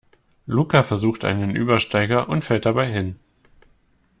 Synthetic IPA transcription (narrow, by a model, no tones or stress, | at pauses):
luːkafɛɐzuːxtʔa̰ɪnənʔyːbɐʃtaɪɡɐʔʊntfɛlt̚d̥abaɪɦɪn